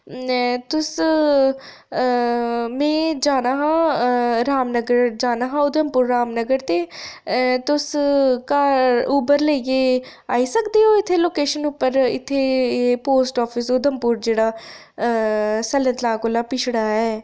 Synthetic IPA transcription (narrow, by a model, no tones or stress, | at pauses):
t̪ʊs | mɛ̃ːd͡ʒaːnaːɦãːɾaːmnəɡəɾd͡ʒaːnaːɦãːʊd̪ʱəmpʊːɾːaːmnəɡəɾt̪eː | t̪ʊskaːɾuːbəɾləːikeː | aːiːsəkd̪eːɦoːɪt̪ʰːeːloːkeːʃənuːpːəɾɪ̰t̪ʰːeːpoːsʈɔːpʰɪsʊd̪ʱəmpuːɾd͡ʒeːɽaː | sələ̃t̪lãːkoːlaːpɪt͡ʃʰɽaːɛː